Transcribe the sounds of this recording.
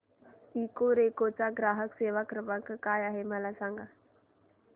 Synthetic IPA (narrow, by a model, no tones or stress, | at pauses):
iːkoɾeːkot͡saɡɾaːɦəkseːʋakɾəpəkkaːjaɦeməlasãŋɡʱa